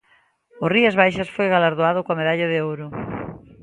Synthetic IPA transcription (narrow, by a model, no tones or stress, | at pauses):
ʊriazβajʃɐsfojɣalaɾðoaðʊkoameðaʎɐðɪowɾʊ